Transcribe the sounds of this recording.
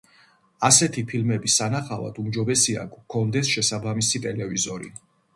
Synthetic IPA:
asɛt̪ʰipʰilmɛbisanaχava̰d̪umd͡ʒɔbɛsia̰kʰɔnd̪ɛsʃɛsabamisit̪ʼɛlɛvizɔɾḭ

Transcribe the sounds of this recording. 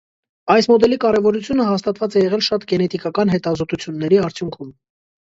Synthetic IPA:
ɑjsmɔd̪ɛlikɑɾɛvɔɾut͡sʰjunəhɑst̪ɑt̪vɑt͡sɛjɛʁɛlʃɑt̪ɡɛnɛt̪ikɑkɑnɦɛt̪ɑzɔt̪ut͡sʰjunːɛɾiɑɾt͡sʰjuŋkʰum

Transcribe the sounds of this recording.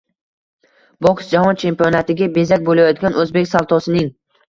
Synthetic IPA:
bɒksd͡ʒahɒnt͡ʃʰe̞mpionat̪ʰɪɡʲabe̞zakʲbolajɒt̪̚ɡʲanʔɵzbe̞kʲsalˠt̪ʰɒsɪnɪŋ

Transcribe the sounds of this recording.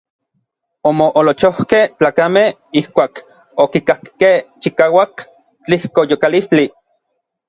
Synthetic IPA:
omoʔolot͡ʃohkeht͡ɬaːkameh | ihkʷaːk | okikakkeht͡ʃikaːwak | t͡ɬihkojokalist͡ɬi

